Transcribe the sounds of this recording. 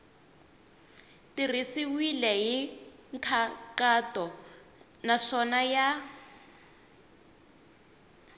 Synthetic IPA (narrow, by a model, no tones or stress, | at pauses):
tirisiwilɛɦiŋkʰakatɔ | naʂɔnaja